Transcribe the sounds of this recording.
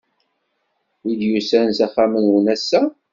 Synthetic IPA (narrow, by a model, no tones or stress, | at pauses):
id̪jusænzæχːamənwənæsːæ